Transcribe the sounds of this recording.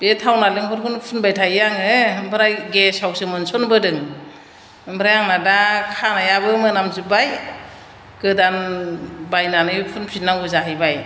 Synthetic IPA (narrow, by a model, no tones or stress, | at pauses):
b̥etʰawnalɯŋkʰɔɾkʰunpʰunbajtʰajjaŋɯmbʰɯɾajɡesawsɯmɯnsɔnbɯdɯŋ | mbɾajaŋnadakʰanajabɯmɯnamzubaj | ɡɯdan | bajnanɯpʰunpʰinːawɡɯzaɦɯjbaj